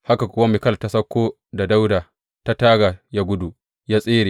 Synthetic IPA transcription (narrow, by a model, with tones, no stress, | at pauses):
ha˦ka˨kʷʊ˦wa˦mɪ˨kɐ˦˨lta˦sɐ˦kʷːoː˦ | da˨da˦wda˨ | ta˦taː˦ɡa˨ja˦ɡʷʊ˦du˨ | ja˦sʼeː˦ɾeː˨